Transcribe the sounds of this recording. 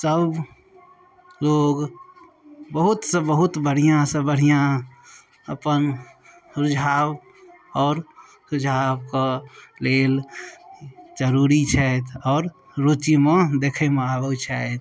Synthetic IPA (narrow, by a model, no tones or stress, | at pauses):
səb | loɡ | bəɦut̪sə̃bəɦut̪bəɽ̤ijãsə̃bəɽ̤ijã | əpən | sud͡ʒʱab | ɔːɾ | sud͡ʒʱabkəlel | d͡ʒəɾuɾit͡ʃʰɛt̪ʰɔːɾ | ɾot͡ʃimẽd̪ekʰemẽabət͡ʃʰɛet̪ʰ